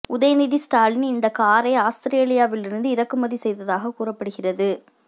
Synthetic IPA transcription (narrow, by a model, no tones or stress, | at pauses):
ʊðɐjɐnɪðisʈaːlnɪnd̪ɐkaːɾɐɪaːst̪ɪɾeːlɪjaːʋɪlɪɾɯnd̪ɯɪɾɐkːɯmɐðisɛjðɐðaːɣɐkuːrɐpːɐɽɯɣɪrɐðɯ